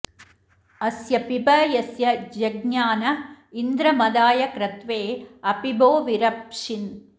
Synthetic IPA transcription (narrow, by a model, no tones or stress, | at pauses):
ɐsjɐpibɐjɐsjɐd͡ʒɐɡ̚ɲaːnɐind̪ɾɐmɐd̪aːjɐkɾɐt̪ʋeːɐpiboːʋiɾɐpʂin